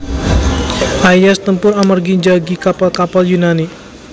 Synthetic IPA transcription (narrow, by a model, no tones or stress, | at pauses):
ʔajjast̪əmpʊɾamərɡiɲd͡ʒaɡikapalkapaljunani